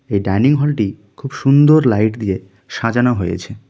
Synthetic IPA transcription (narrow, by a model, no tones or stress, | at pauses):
ejɖajniŋɦɔlʈi | kʰubʃund̪oɾlajʈd̪ie | ʃad͡ʑanaɦojḛt͡ɕʰe